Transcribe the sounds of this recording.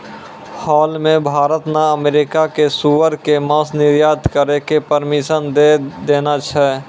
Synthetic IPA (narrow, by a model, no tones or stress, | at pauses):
hɔːlmẽbʱaːɾət̪naəmeːɾɪkakesuʋəɾkeməsnɪɾjaːt̪kəɾekepəɾmɪʃənd̪ed̪eːnat͡ʃʰɛ